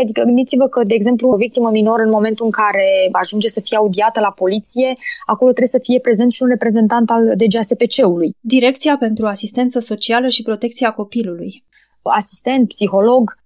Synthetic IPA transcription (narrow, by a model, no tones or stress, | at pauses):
ad̪ikəmɨnd̪it̪sivəkəd̪e̞ːɡze̞mpluovik̚t̪iməmino̞ɾəɨnmo̞me̞nt̪uɨŋkaɾe̞aʒund͡ʒe̞səfijeaud̪iat̪əlapo̞lit̪sije̞ako̞lot̪ɾebesəfije̞pɾe̞ze̞nt̪ʃiunre̞pɾe̞ze̞nt̪ant̪ald̪e̞d͡ʒease̞pe̞t͡ʃe̞ulujd̪iɾe̞kt̪siape̞nt̪ɾuasist̪e̞nt̪səso̞t͡ʃialəʃipɾo̞t̪e̞kt̪siako̞piluluj | asist̪e̞nt̪̚psixo̞lo̞ɡ